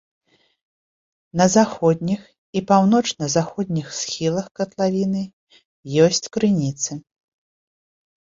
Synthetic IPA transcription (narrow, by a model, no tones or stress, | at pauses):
nɐzaxɔd̪ʲnʲix | ipawnɔt͡ʂnɐzaxɔd̪ʲnʲixsxʲilˠɐxkɐt̪lˠavʲinɨ | jɔsʲt͡sʲkɾɨnʲit̪sɨ